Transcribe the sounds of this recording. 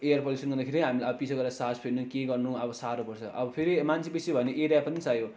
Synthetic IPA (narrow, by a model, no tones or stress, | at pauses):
ejʌrpoisʌnɡʌrd̪akʰeɾiɦamilʌbʌpisʰoɡʌɾd̪asad͡zpʰelnukeɡʌrnuʌbʌsaɾopʌrt͡sʰʌ̰ʔʌbʌpʰeɾimant͡sʰibisibʱʌneʔeɾijapʌnisajo